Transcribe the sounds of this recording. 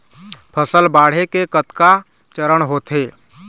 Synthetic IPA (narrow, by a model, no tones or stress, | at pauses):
pʰəsəlbaːɽ̤ekekət̪ka | t͡ʃəɾəɽ̃ɦoːt̪eː